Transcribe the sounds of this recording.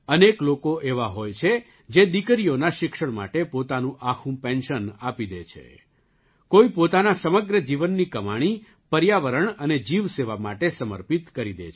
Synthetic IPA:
əneklokoʔeʋaɦojt͡ʃʰe | d͡ʒed̪ikəɾijonaʃɪkʃəɳma̰ʈepot̪anũʔakʰũpɛ̃nʃənapid̪ḛt͡ʃʰḛ | koipot̪anasəməɡɾəd͡ʒiʋənːikəmaɽ̃i | pəɾjaʋəɾəɳəned͡ʒiʋseʋamaʈesəmə̰ɾpit̪kəɾid̪ḛt͡ʃʰ

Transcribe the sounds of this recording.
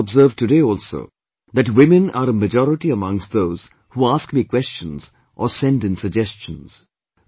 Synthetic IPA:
bzɜːvtɨdeɪɔlˠso̰ʊ | ðɨtwɪ̃mɨ̃nə̰ɾəmɨd͡ʒɔɾɪʈiəmʌ̃ŋstðoʊz̥ | huaskmikʰwɛst͡ʃə̃nz̥ | ʔəsɛ̃ndɨ̃nsəɡ̚d͡ʒɛst͡ʃə̃nz̥

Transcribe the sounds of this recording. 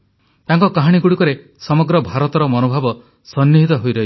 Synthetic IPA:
t̪aŋkɔkaɦaɽ̃iɡuɽikɔɾe | sɔmɔɡɾɔbʱaɾɔt̪ɔɾɔmɔnobʱabɔ | sɔnːiɦit̪ɔɦojɾɔɦi

